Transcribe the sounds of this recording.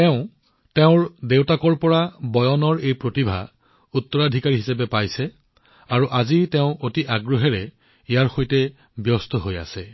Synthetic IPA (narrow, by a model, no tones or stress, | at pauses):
tɛʊ̃ | tɛʊ̃ɹdewtakɔɹpɔɹabɔjɔnɔɹejpɹotibʱa̰ | utːɔɹadʱikaɹiɦisap̬ɛpajsɛ | aɹuʔazitɛʊ̃ʔotiʔaɡɹoɦɛɹɛ | ijaɹxojtɛ | bjɔstɔɦoja̰sɛ